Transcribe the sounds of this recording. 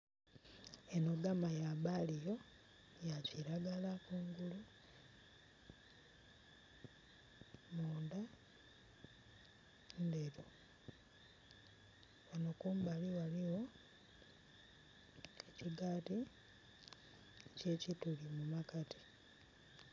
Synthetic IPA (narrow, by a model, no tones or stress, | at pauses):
enoɡamajaβalijo̞ | jaciɾaɡalakuːŋɡulu | moːnda | ndeɾo | βanokuːmbaliwaliwo̞ | eciɡaːti | ece̞citulimumakati̥